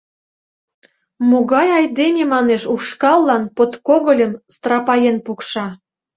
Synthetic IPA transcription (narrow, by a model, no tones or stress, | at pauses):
moɣɑjɑjd̪enʲemɑneʃuʃkɑlːɑnpot̪koɣəlʲəmst̪rɑpɑjenpukʃɑ